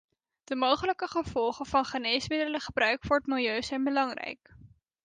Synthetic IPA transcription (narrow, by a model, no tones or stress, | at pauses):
d̥əmowχələkəχəv̥ɔlˠχəvɑnχənejsmɪdələχəbrœɥkfʊːɹətmɪlˠjøɥzɛjnbəlɑŋrɛ̰jk